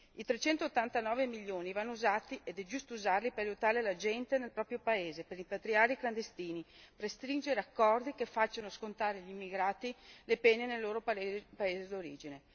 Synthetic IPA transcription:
it̪ɾet͡ʃɛnt̪oːt̪ːant̪anɔːvemiʎːoːnivanːouzaːt̪iʔed̪ɛd͡ʒust̪ouzarlipeɾajut̪aːɾelad͡ʒɛnt̪enelpɾɔːpɾjopaeːzepeɾimpat̪ɾiaːɾeikland̪est̪iːniprest̪ɾind͡ʒeɾeakːɔrd̪ikefːat͡ʃːanoskont̪aːɾeʎimːiɡɾaːt̪ilepɛnenelːoːɾopaeːzed̪oɾiːd͡ʒine

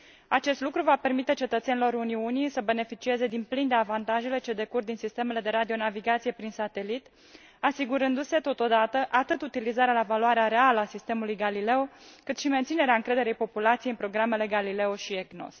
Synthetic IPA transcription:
at͡ʃe̞st̪lukɾuvape̞rmit̪e̞t͡ʃe̞t̪ət̪senilo̞ɾuniunijsəbe̞ne̞fit͡ʃie̞ze̞d̪inplind̪e̞avant̪aʒe̞le̞t͡ʃe̞d̪e̞kurd̪insist̪e̞me̞le̞d̪e̞ɾad̪io̞naviɡat̪sije̞pɾinsat̪e̞lit̪ | asiɡuɾɨnd̪use̞t̪o̞t̪o̞d̪at̪əʔat̪ɨt̪ut̪ilizaɾealavaluaɾeaɾe̞aləasist̪e̞mulujɡalile̞wkɨt̪ʃime̞nt̪sine̞ɾeaɨŋkɾe̞d̪e̞ɾejpo̞pulat̪sijeiɨnpɾo̞ɡɾamele̞ɡalile̞oʃieɡno̞̰s

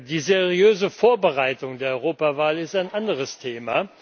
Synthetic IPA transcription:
diːzeʁiøːzəfoːɐbəʁaɪtʊŋdeːɐʔɔʏʁoːpavaːlɪstaɪnʔandəʁəstʰeːma

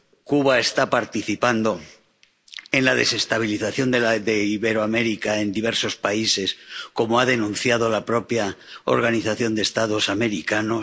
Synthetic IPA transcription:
kuβae̞st̪apaɾt̪iθipand̪o̞ | e̞nlað̞ese̞st̪aβ̞iliθaθjo̞nd̪eðeiβe̞ɾoame̞ɾikae̞nd̪iβ̞e̞ɾso̞spaise̞sko̞moaðe̞nũn̟θjað̞o̞lapɾo̞pjao̰ɾɣ̞aniθaθjo̞nd̪est̪að̞o̞same̞ɾikano

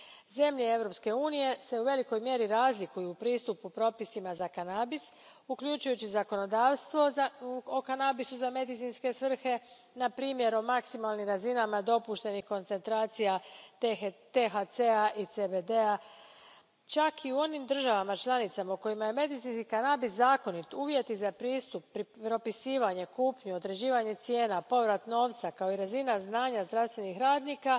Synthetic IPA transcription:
ze̞mʎe̞e̞ʋɾo̞pske̞uːnije̞se̞uʋe̞liko̞jmje̞ɾiɾaːzlikujuːpɾiːst̪upupɾo̞pisimazakanaːbis | ukʎut͡ʃujut͡ɕizako̞no̞d̪aːʋst̪ʋo̞okanabisuzame̞d̪it̪inske̞sʋr̩xe̞ | napɾiːmje̞ɾo̞maksimalˠnimɾazinamad̪o̞puʃt̪e̞nixko̞nt̪se̞nt̪ɾaːt̪sija | t̪eɦat̪seaʔit̪sebed̪ea | t͡ʃakiuo̞nimd̪r̩ʒaʋamat͡ʃlˠanit̪samauko̞jimaje̞me̞d̪it̪sinskikanaːbiszaːko̞nit̪uːʋje̞t̪izapɾiːst̪upːɾiɾo̞pisiːʋaɲe̞kuːpɲuo̞d̪ɾe̞d͡ʑiːʋaɲe̞t̪sje̞ːnapo̞ʋɾat̪no̞ːʋt̪sakao̞iɾazinaznaːɲazd̪ɾaʋst̪ʋe̞nixɾaːd̪nika

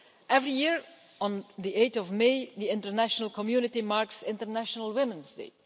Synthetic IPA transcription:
ʔɛvɹijiɹ | ɔ̃nðiʔeɪtɔvmeɪðiɪ̃ntə˞næʃənəlˠkʰɔmjunɪtimaɹksɪ̃ntə˞næʃənəlˠwɪmə̃nzdḛɪ

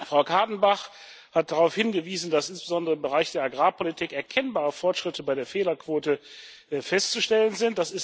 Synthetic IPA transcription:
fʁ̥aʊkʰaɐdn̩baχ | hat̚d̥aʁaʊfhɪnɡəviːzn̩d̥asʔɪnsb̥əzɔndəʁəɪmbəʁaɪçd̥eːɐaɡʁaːpʰolitʰiːkɛɐkʰɛnbaːʁəfɔɐtʃʁ̥ɪtʰəbaɪdeːɐfeːlɐkv̥oːtəfɛstt͡suʃtɛlənzɪnt̚d̥asɪs

